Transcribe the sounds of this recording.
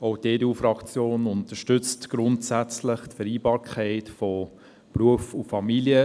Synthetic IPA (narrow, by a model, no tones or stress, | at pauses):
oʊteːdeuːfɾɑkt͡sjoːnʊntəʃtʏt͡stɡ̥ɾʊntsæt͡sləχtfɛɾiːbɑːɾkʰχɛɪtfɔ | pɾuəfufɑmiljə